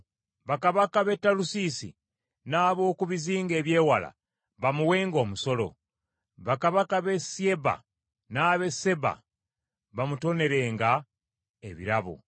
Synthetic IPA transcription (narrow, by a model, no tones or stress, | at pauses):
βakaβakaβe̞tːalusisḭ | naːβo̞ːkuβiziːŋɡe̞ːβje̞ːwala̰ | βamuwe̞ːŋɡo̞ːmuso̞lo̞̰ | βakaβakaβe̞sje̞ba̰ | naːβe̞se̞ba̰ | βamuto̞ne̞ɾe̞ːŋɡa | e̞βḭɾaβo̰